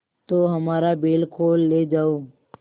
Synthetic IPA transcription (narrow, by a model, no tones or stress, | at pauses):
t̪oːɦəmaːɾabeːlkʰoːlːeːd͡ʒaːoː